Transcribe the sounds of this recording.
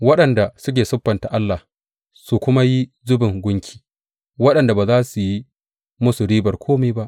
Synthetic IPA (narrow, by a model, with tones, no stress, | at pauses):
wɐ˦ɗɐ˨nda˨sʊ˦k̬ʲeː˨sʊ˦ɸːɐ˨nta˨ʔa˦lːa˨ | su˨kʷʊ˦ma˦ji˦ | zʊ˦bɪ˨ŋɡʷʊ˦ŋkʲʰi̥ː˨ | wɐ˦ɗɐ˨nda˨baː˨zaː˦su˨ji˦ | mʊ˦su˨ɽiː˦bɐ˨rkʷʰoː˦meː˦ba˦ʔ